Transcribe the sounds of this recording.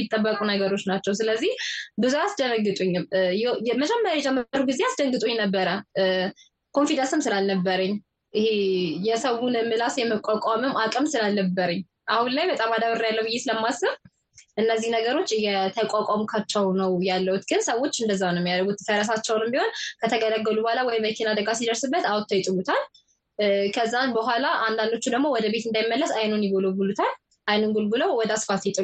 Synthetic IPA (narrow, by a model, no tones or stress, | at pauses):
it̪ʼːəbːəkʼunəɡəɾo̞t͡ʃːnat͡ʃːɛws̬ɨləzːihbɨzuasd̪əɾəɡːɨt̪ʼuɲːjɛməd͡ʒɛmːəɾjeɛd͡ʒɛmːəɾuɡizeasd̪əɡɨt̪ʼuɲnəbːəɾə | kʰo̞nfid̪ansɨmsɨlalnəbːəɾəɲː | ʔɪhejɛsəwunɨmɨlasjɛməkʷʼakʼamɨmakʼɨmsɨlalnəbːəɾəɲː | ʔahunlajbət̪ʼamad̪aβɨrjalːəwjesɨləmːasɨβ | ʔɨnːəzːihnəɡəɾo̞t͡ʃːjɛt̪ʰəkʼakʼamkʰat͡ʃːɛwnəwjalːəhut̪ɡɨnsəwːo̞t͡ʃːɨnd̪əzːanɨmjalɡut̪t̪ʰəɾəs̬at͡ʃːɛwnɨmbiho̞nkʰət̪ʰəɡələɡːəlubohalawɔjɪmːəkʰinad̪əɡasid̪əɾsɨbːət̪awt̪ʰːəjɪt̪ʼɨlut̪ʰal | kʰəzːanbəɦʷalaand̪and̪o̞t͡ʃːud̪əɡmo̞wɔd̪əbe̞t̪ɨnd̪ajmːəlːəsajnunjɪɡoləwɡulut̪ʰal | ʔajnunɡulɡuləwwɔd̪asfat̪jɛt̪ʼɨ